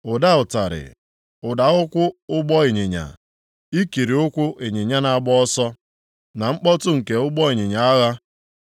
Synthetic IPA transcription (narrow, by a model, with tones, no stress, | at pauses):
ʊ˨da˦ʊ˨ta˨ɾɪ̰˨ | ʊ˨da˨ʊ˦kʷʊ˦ʊ˦ɡ͡bɔ˦e˨ɲe˨ɲa̰˨ | i˦ki˨ɾi˨ʊ˦kʷʊ˦ʔe˨ɲe˨ɲa˦na˨a˦˨ɡ͡bɔ˦ɔ˦sɔ˦ | na˨ŋ͡m̩˦k͡pɔ˦tʊ˦ŋ̩˨ke˨ʊ˦ɡ͡bɔ˦e˨ɲe˨ɲa˨a˦ɣa˦